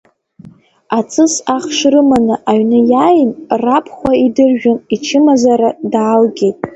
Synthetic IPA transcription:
at͡sʰʼɨsaχʂrɨmanɨʔaɥnɨjajɪnrapʰχʷaidɨrʒᶣʊnit͡ʃʰɪmazaɾadaːlɡʲe̞jtʼ

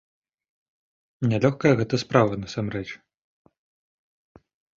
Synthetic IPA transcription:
nʲalʲɔxkɐjɐɣɛt̪ɐspɾavɐnɐsamrɛt͡ʂ

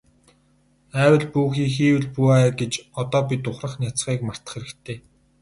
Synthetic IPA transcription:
æːwə̆ɮpuːxiːŋxiːwɘ̆ɮpuæɡet͡ɕɔt̪ɔːpit̪ʊχrə̆χnjat͡sχiːkmar̥t̪ə̥̆χeɾɘ̆kt̪ʰeː

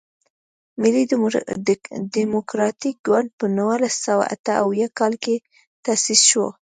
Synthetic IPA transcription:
mɪli | d̪imokɾɑt̪ik̚ɡwaɳd̪̚pənəwalasawa̰ʔa̰t̪əawjakɑlke | t̪asisʃwo

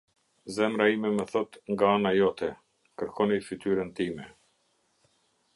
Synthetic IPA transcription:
zɛmɾaimɛməθɔt̪ŋɡaanajɔt̪ʰɛ | kəɾkʰɔnifit̪yɾənt̪imɛ

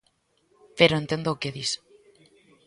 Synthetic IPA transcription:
peɾoent̪end̪oːkeðis

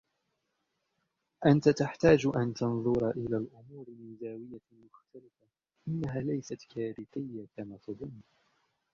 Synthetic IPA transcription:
ʔant̪at̪aħt̪aːd͡ʒʔant̪ɑnðˤʊɾʔɪlaːlʔʊmuːɾɪnɪzaːwɪjːa | mʊxt̪alɪfa | ʔɪnːaɦaːlajsat̪kaːɾɪt̪ɪjːakamaːt̪ɑðˤʊnː

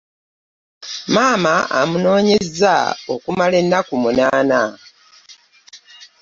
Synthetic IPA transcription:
maːmaʔa̰muno̞ːɲe̞za̰okumale̞nːakumunaːna

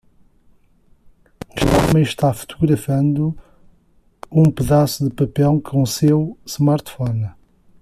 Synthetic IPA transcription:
ʃt̪amɐ̃j̃ʃt̪afu̥t̪uɣɾɐfɐ̃nd̪u | ũpɨðasuðɨpɐpɛlˠkʰõsewsmaɾt̪fɔn

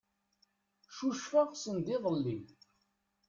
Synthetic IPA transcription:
ʃuʃfəʁsənd̪iðˤəlːi

